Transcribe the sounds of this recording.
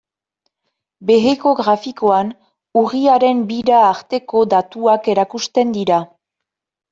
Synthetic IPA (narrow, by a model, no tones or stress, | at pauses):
be̞ɣeko̞ɣɾafiko̞an | uɣiaɾe̞mbiɾaːɾt̪e̞ko̞d̪at̪uake̞ɾakust̪e̞nd̪iɾa